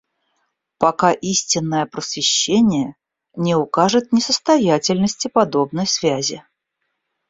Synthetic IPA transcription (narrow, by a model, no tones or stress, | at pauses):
pɐkaʔisʲtʲɪnːəjəpɾəsvʲɪɕːenʲɪjə | nʲɪʊkaʐɨt̪̚nʲɪsəst̪ɐjatʲɪlʲnəsʲtʲɪpɐd̪o̞bnəjsvʲæzʲɪ